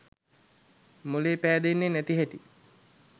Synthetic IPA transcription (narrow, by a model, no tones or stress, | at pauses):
muleːpæːd̪enːenæt̪iɦæʈi